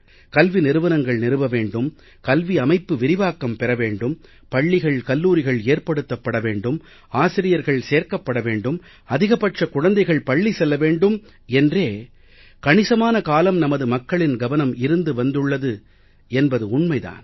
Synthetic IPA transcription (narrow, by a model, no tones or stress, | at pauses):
kɐlʋinɪɾɯʋɐnɐŋɡɐɭnɪɾɯʋɐʋeːɳɖɯm | kɐlʋiɐmɐɪpːɯʋɪɾɪʋaːkːɐmpɛɾɐʋeːɳɖɯm | pɐɭːɪɣɐɭkɐlːuːɾɪɣɐɭeːɾpɐɽɯt̪ːɐpːɐɽɐʋeːɳɖɯm | aːsɪɾɪjɐɾɣɐɭseːɾkɐpːɐɽɐʋeːɳɖɯm | ɐðɪɣɐpɐʈrɐkʊɻɐnd̪ɐɪɣɐɭpɐɭːisɛlːɐʋeːɳɖɯm | ɛndreː | kɐɳɪsɐmaːnɐkaːlɐmnɐmɐðɯmɐkːɐɭɪnɡɐʋɐnɐmɪɾɯnd̪ɯʋɐnd̪ɯɭːɐðɯ | ɛnbɐðɯʊɳmɐɪða̰ːn